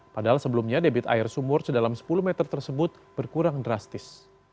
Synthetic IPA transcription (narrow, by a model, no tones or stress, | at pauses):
padaɦalsəbəlumɲadebɪt̪a̰ɪrsumʊrsədalamsə̥puluhmɛt̪ərt̪ərsəbʊt̪̚b̥ərkuɾaŋdɾast̪ɪs